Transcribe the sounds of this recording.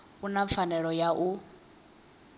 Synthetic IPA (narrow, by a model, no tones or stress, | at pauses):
unap̪fʰanɛɺɔjaʔu